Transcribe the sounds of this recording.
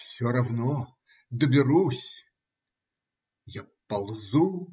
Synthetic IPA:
fsʲoɾɐvno | d̪əbʲɪɾusʲ | japɐlˠzu

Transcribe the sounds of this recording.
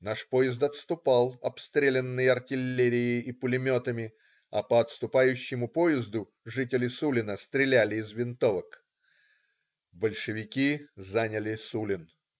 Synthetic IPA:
naʂpo̞jɪzt̪ɐt̪st̪ʊpɑlˠɐpst̪ɾʲelʲɪnːɨjəɐrtʲɪlʲːeɾʲɪjɪːpʊlʲɪmʲo̞t̪əmʲɪ | ɐ̰pəɐt̪st̪ʊpajʉɕːɪmʊpojɪzd̪ʊ | ʐɨtʲɪlʲɪsulʲɪnəst̪ɾʲɪlʲælʲɪːzvʲɪnt̪o̞vək | bəlʲʂɨvʲɪkʲizanʲəlʲɪsulʲɪn

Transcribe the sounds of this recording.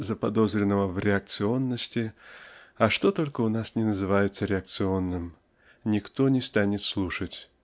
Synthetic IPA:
zəpɐd̪o̞zɾʲɪnːəvəvɾʲɪɐk̚t̪sɨo̞nːəsʲtʲɪ | ɐʂt̪o̞t̪o̞lʲkəʊnasnʲɪnəzɨvajɪt̪səɾʲɪɐk̚t̪sɨo̞nːɨm | nʲɪkt̪o̞nʲɪst̪anʲɪt̪slˠuʂətʲ

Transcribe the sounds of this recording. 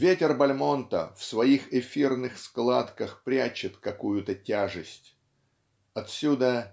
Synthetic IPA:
vʲetʲɪrbɐlʲmo̞nt̪ə̰fsvɐixɪfʲirnɨxsklˠat̪kəxpɾʲæt͡ɕɪt̪kɐkujʊt̪ətʲaʐɨsʲtʲ | ɐt̪sʲud̪ə

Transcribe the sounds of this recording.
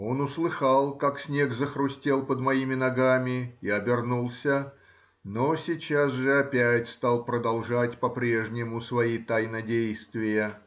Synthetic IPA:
o̞nʊslˠɨxalˠkaksʲnʲe̞ɡzəxɾʊsʲtʲelˠpəd̪mɐimʲɪnɐɡamʲɪiɐbʲɪrnulˠsʲə | nosʲɪt͡ɕasʐɨɐpʲætʲst̪ɑlˠpɾəd̪ɐlˠʐatʲpɐpɾʲe̞ʐnʲɪmʊsvɐit̪ajnɐdʲejst̪vʲɪjə

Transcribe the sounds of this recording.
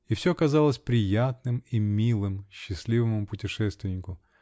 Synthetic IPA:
ifsʲokɐzalˠəsʲpɾʲɪjat̪nɨmimʲilˠɨmɕːɪsʲlʲivəmʊpʊtʲɪʂɛst̪vʲɪnʲɪkʊ

